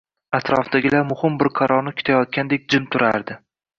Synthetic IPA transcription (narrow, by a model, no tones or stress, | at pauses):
at̪ʰɾɒfd̪aɡʲɪlaɾmʊhɪmbɪɾqʰɑɾɒɾnɪkʰʊ̥t̪ʰajɒt̪̚kʲand̪ek̚ʲd͡ʒɪmt̪ʰʊɾaɾd̪ɪ